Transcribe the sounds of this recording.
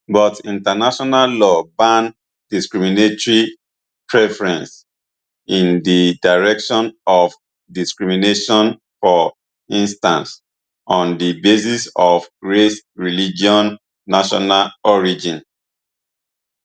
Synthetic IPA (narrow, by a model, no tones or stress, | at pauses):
bɔtĩntanaʃɔnallɔbãn | diskɹiminetɔɹi | pʰɹɛfɹɛ̃ns | ĩndidaɹɛkʃɔ̃nɔf | diskɹimineʃɔ̃n | fɔ | ĩnstãns | ɔ̃ndibesisɔfɹes | ɹilid͡ʒiɔ̃nː | aʃɔ̰nalɔɹid͡ʒĩn